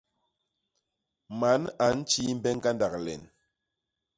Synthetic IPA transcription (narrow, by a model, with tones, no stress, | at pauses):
ma˨˦na˨˦n̩˦t͡ʃi˦m̩˦bɛ˦ŋ˦ɡa˦nda˨k̚lɛ̰˨n